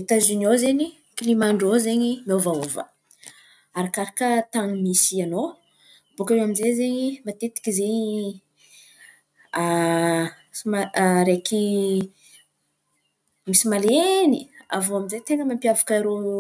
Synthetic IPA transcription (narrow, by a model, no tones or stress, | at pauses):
et̪azunozeɲi | kilimaɳɖ͡ʐozeɲimovaovə̰ | aɾakaɾakət̪aŋimisiano | bukaewaminzezeɲimat̪et̪i̥kizeɲi | a | maɾeki | misimalenia̰voaminzet̪eŋəmampiavakaiɾo